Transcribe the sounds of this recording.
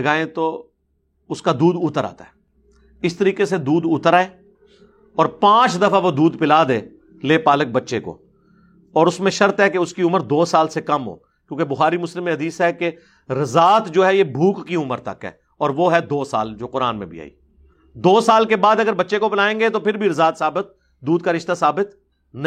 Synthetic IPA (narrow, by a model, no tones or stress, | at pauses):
ɡaːẽt̪oː | ʊskad̪uːd̪ʊːt̪əɾa̰ːt̪aɦɛ | ɪst̪əɾiːkesed̪uːd̪ʊːt̪əɾaːeː | ɔːɾpãːt͡ʃd̪ɐfʰaʋod̪uːd̪pɪlaːd̪eː | leːpaːlək̚bɐtːʃeko̰ː | ɔːɾʊsmẽʃɐɾt̪ɦɛkeʊskiʊməɾd̪oːsaːlsekɐmɦo̰ː | kjõːkebʊxaːɾimʊslɪmːẽɦɐd̪iːsɦɛke | ɾɐzaːt̪d͡ʒoːɦɛjebʱuːkːiʊməɾt̪ɐ̰kɦɛ̰ː | ɔːɾʋoɦɛd̪oːsa̰ːld͡ʒoːqʊɾa̰ːnmḛ̃bʱḭa̰ːḭː | d̪oːsaːlkebaːd̪ɐɡəɾbɐtːʃekopɪlaːẽːŋɡet̪opʰɪɾbʱiɾɐzaːt̪saːbɪt̪̚ | d̪uːd̪̚kaɾɪʃt̪asaːbɪt̪ | nɐ̃